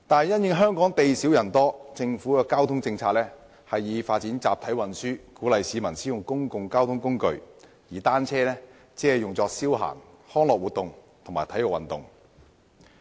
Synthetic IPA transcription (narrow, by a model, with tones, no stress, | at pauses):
t̪aː˨nɐ˨jɐ˥njɪ˧ŋɦœː˥ŋkɔː˨˥ŋt̪e˨jsiː˨˥wjɐ˨˩nt̪ɔː˥t͡sɪ˧ŋfu˨˥kɛː˧kaː˥wt̪ʰʊ˥ŋt͡sɪ˧ŋt͡sʰaː˧k̚lɛː˥ | hɐ˨jːiː˨˧faː˧t̚t͡siː˨˥nt͡sa̰ː˨p̚t̪ʰɐ˨˥jwɐ˨nsyː˥kuː˨˥lɐ˨jsiː˨˧mɐ˨˩nsiː˨˥jʊ˨ŋkʊ˥ŋkʊ˨ŋkaː˥wt̪ʰʊ˥ŋkʊ˥ŋkɵ˨˧ɥ | jiː˨˩t̪aː˥nt͡sʰɛː˥lɛː˥ | t͡siː˥hɐ˨jʊ˨ŋt͡sɔː˧k̚siː˥wɦa̰ː˨˩ŋ | hɔː˥ŋlɔː˨k̚wu˨t̪ːʊ˨ŋ | t̪ʰʊ˨˩ŋmaː˨˩t̪ʰjɔ˨˩wɐ̰˨nt̪ʊ̰˨ŋ